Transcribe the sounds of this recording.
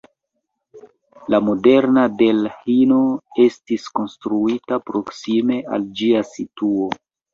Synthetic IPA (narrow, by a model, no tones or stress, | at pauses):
lamo̞de̞ɾnade̞lhino̞e̞stisko̞nstɾuitapɾo̞ksime̞ʔa̰ld͡ʒiasituo̞